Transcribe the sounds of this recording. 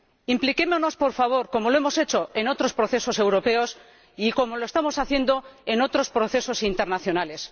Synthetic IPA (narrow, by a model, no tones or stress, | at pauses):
implike̞mono̞spo̞ɾfaβ̞o̞ɾko̞mo̞loe̞mo̞se̞t͡ʃo̞e̞no̞t̪ɾospɾo̞θe̞so̞se̞wɾo̞pe̞o̞s | iko̞mo̞loe̞st̪amo̞saθje̞nd̪o̞e̞no̞t̪ɾo̞spɾo̞θe̞so̞sint̪e̞ɾnaθjo̞nale̞s